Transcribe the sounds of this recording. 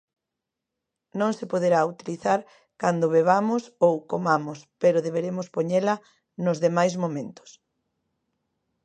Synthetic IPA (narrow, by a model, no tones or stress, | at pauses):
nõŋsepoðeɾaut̪iliθaɾ | kand̪ʊβeβamʊsowkomamʊspeɾʊðeβeɾemʊspoɲelɐ | nʊzðemajzmomẽnt̪ʊ̥s